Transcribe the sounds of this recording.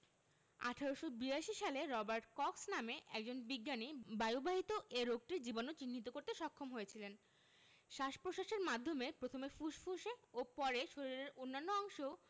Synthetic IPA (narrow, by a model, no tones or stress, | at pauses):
a̰ʈʰaɾoʃobiaʃiʃaleɾɔbaɾʈkɔksnameʔɛk̚d͡ʑonbiɡːanibajubaɦit̪oʔeɾok̚ʈiɾd͡ʑibonot͡ɕinːit̪okoɾt̪eʃɔkʰːomɦoet͡ɕʰilen | ʃaʃpɾoʃaʃeɾmad̪ʱːomepɾot̪ʰomefuʃfuʃeopɔɾeʃoɾiɾeɾonːanːoɔŋʃo